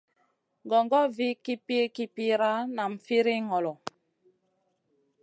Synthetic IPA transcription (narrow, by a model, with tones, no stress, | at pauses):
ŋɡɔ˨ŋɡɔ˦vi˦ki˦pi˦e˦ki˦pi˦ɾa˦na˨m̩˨fi˦ɾi˦ŋɔ˨lɔ˨